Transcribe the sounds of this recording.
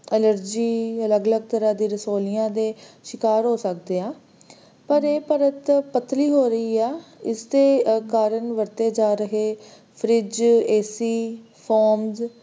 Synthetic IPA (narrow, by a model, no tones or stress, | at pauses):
ələɾd͡ʒiːələɡələɡ̚t̪əɾãːd̪iːɾəsoːlɪjãːd̪eːʃɪkaːɾɦoːsək̚d̪eːãː | pəɾeːpəɾət̪pət̪ʰːliːɦoːɾəiːɛːɪsd̪eːkaːɾənʋəɾt̪eːd͡ʒaːɾəɦeː | pʰɾɪd͡ʒeːsiː | pʰɔːmz